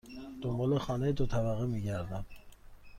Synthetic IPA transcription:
d̪̥ombɒlexɒːnejed̪ot̪ʰæbæɣemiɟæɾd̪æm

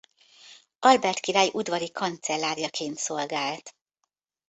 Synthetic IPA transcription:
ɒlbɛrt̪kiɾaːjiʔud̪ʋɒɾikʰɒnt̪sɛlːaːɾijɒkʰeːnt̪so̞lɡaːlt̪

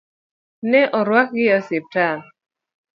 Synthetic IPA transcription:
nɛʔɔɾwak̚ɡɪɔsɪp̚tan

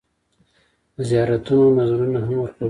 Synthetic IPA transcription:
zijɑɾat̪unonazɾunaɦamwəɾpa

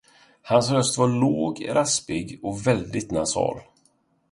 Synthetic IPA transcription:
hansɾœst̪vaɭoːɡɾaspɪɡɔvɛld̪ɪt̪nasɑ̰ːl

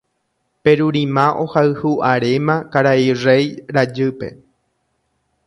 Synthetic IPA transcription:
pe̞ɾuɾĩmãʔo̞haɨhuʔaɾemãkaɾairejɾad͡ʒɨpe̞̰

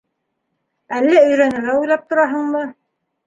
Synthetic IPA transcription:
ælːæɵ̆jɾænɘ̆æujlˠɑp̚t̪ŏɾɑɦɤɴmɤ

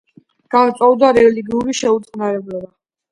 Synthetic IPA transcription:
ɡ̥ant̪sʼɔvd̪aɾɛliɡiuɾiʃɛut̪sʼnaɾɛblɛba

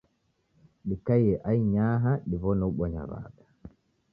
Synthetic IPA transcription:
ɗikajɛʔajɲaːɦaɗivɔnɔɓɔɲa̰va̰ːɗa

